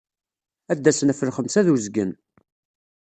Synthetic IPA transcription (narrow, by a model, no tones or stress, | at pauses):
æd̪ːæsənæfəlχəmsæðuzɡən